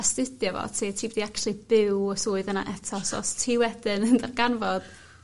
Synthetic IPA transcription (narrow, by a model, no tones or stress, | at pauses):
astɪdjɔvɔ̰tʰiːtʰiːbɛdiakʃlˠib̥ɪwɔsʊːɨðəna̰ʔɛtʰɔsɔ̰stʰiːwɛdɪnəndarɡanvɔd̥